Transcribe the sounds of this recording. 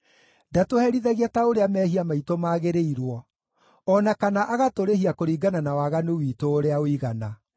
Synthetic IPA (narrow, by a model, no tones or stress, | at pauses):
ndatohɛɾiðaɣiataoɾeamɛɦiamaitomaːɣeɾeiɾwɔ | ɔnakanaʔaɣatoɾehiakoɾiːɡananawaɣanewiːtoːɾeaoiɣana